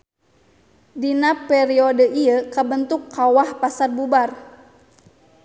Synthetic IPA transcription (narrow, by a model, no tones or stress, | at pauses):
dinapɛɾiɔdəʔiəkabənt̪ukːawahpasarbubar